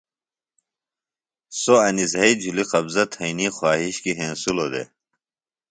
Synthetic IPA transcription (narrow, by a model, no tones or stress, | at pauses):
soɐnizɦɐid͡ʑʱuliqɐbzɐt̪ʰɐinixwaːɦiɕkiɦeːnsulod̪ḛ